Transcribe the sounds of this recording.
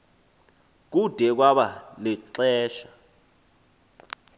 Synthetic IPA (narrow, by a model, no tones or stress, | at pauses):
k̬ud̥ʱɛk̬waɓaliǀɛːʃḁ